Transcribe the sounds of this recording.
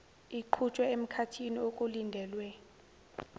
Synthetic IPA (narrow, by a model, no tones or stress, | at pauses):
iǃʰut͡ʃʼwɛem̩kʰatʰiniokʼulindʱɛːlwɛ